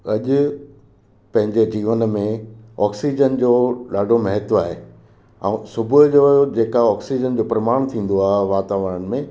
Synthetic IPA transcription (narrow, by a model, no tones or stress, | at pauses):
ɐʄʊ̆ | pɐ̃ɦɪ̃ɲd͡ʑed͡ʑiːʋənmẽɔːksiːd͡ʑənd͡ʑoːɗaːɖʱomɐɦət̪aːɦe | ɛ̰̃ːsʊbʱʊd͡ʑod͡ʑeːkaɔːksid͡ʑənd͡ʑoːpɾɐmaːɽ̃t̪ʰĩːn̆d̪oaːɦeʋaːt̪aːʋəɾəñɪ̆mẽ